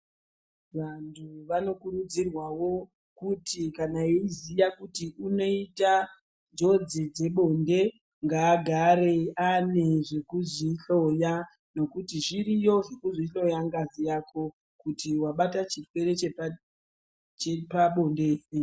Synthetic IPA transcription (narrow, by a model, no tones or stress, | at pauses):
ʋantʰuʋano̞kurud͡zirwawo̞ | kutʰikanaeizijakutiuno̞ita | d͡zo̞d͡zid͡ze̞ɓo̞nde̞ | ŋɡaːɡʱaɾe̞aneʐe̞kuziɬo̞ja | no̞kutiʐiɾijo̞ʐekuziɬo̞jaŋɡazijakʰo̞ | kutiwaɓatat͡ʃitwe̞ɾe̞t͡ʃe | t͡ʃepaɓondee